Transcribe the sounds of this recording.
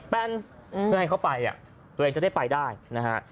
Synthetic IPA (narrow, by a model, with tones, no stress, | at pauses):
pɛ˧nm˧ɯ˥˩˨ha˥˩jkʰa˥˩wpa˧ja̰˨˩ | t̪u˧eː˧t͡ɕda˥˩jpa˧jdaː˥˩jna˦˥kʰa˦˥ʔ